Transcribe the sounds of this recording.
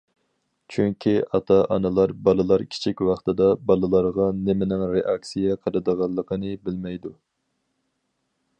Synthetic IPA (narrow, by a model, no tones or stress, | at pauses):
t͡ʃʰyŋkʲʰiʔɑt̪ʰɑʔɑ̰nɨlˠɑɾbɑlˠɨlˠɑɾkʲʰi̥t͡ʃʰikʲwɑχt̪ʰɨd̪ɑbɑlˠɨlˠɑɾʁɑnɪmɪnɪŋɾeʔɑksijɛqʰəɾɨd̪əʁɑlˠːəqʰənɨbɪlmɛjd̪u